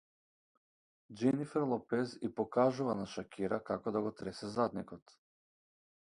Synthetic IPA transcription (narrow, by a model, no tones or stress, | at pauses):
d͡ʒɛnifɛɾlˠɔpɛzipɔkaʒuvanaʃakʲiɾakakɔd̪aɡɔt̪ɾɛsɛzad̪nikɔt̪